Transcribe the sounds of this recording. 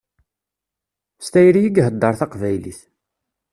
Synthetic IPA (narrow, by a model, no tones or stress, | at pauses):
st̪æjɾijiɡɦəd̪ːɑɾθɑqvæjlḭθ